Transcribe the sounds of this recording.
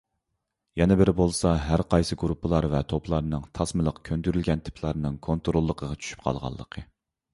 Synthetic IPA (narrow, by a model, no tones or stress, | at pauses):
jɛnɪbɪɾɪbolˠsɑɦæɾqʰɑjsɨɡɾupʰːəlˠɑɾvɛt̪ʰoplˠɑɾnɨŋt̪ʰɑsmɨlˠəqkʲʰønd̪yɾylɡʲɛnt̪ʰɪ̥pʰlˠɑɾnɨŋkʰont̪ɾolˠːəqʰəʁɑt͡ʃʰy̥ʃy̥p̚qʰɑ̰lˠʁɑ̰lˠːəqʰə